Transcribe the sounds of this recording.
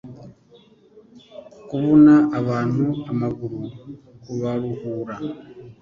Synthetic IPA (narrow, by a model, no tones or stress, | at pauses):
kuβonaʔːβaːn̥huamaɡuɾukuβaɾuhuːɾa